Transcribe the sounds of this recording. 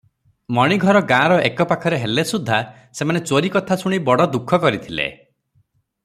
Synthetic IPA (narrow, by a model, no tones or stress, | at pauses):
mɔɽ̃iɡʱɔɾɔɡãːɾɔʔekɔpakʰɔɾeɦelesud̪ʱːa | semanet͡ʃoɾikɔt̪ʰasuɽ̃ibɔɽɔd̪ukʰɔkɔɾit̪ʰilḛ